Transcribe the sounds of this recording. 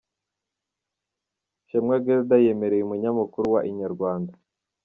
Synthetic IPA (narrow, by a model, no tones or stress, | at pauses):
ʃemŋaɡeɾdajeme̞ɾejumuɲamukuɾuwaʔiɲaɾɡwaːnda